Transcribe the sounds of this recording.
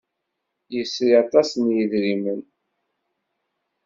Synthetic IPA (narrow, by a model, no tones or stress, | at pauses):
jəsɾiɑt̪ˤɑsənjəðɾimən